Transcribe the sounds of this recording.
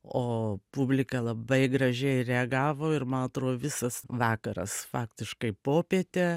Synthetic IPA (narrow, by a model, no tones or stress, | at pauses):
oːpʊbʲlʲɪkɐlˠɐbɐɪɡɾɐʒʲɛɪrʲɛɐɡɑːʋoːɪɾmɐnɐt̪ɾoːd̪oːʋʲɪsɐsʋɑːkɐɾɐ̰sfɑːkt̪ʲɪʃkɐɪpoːpʲiɛt̪ʲe